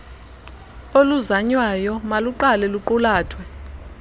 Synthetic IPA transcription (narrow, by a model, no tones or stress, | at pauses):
oluzaɲwajɔmaluǃalɛluǃulaːtʰwɛ